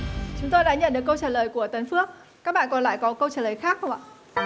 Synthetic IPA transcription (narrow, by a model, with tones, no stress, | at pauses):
t͡ɕʊ˨˦ŋ͡mt̪o˧jɗa̰ː˧˥ɲə̰˧˨nɗɨ˨˩ək̬ːə˧wt͡ɕaː˧˩ləː˨˩jku˧˩ət̪ə˨˦nfɨ˦˥ək̚ | kaː˦˥k̚ɓa̰ː˧˨nkɔ˨˩nla̰ː˧˥˨jkɔ˨˦kə˧wt͡ɕaː˧˩ləː˨˩jxaː˦˥k̚hə˧wŋ͡mʔa̰ː˧˨